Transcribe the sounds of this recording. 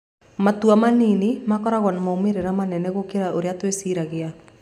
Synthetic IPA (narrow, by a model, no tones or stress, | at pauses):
matwamaninemakɔɾaɣwanamaomeɾeɾamanɛnɛɣokeɾaʔoɾeatwesiɾaɣea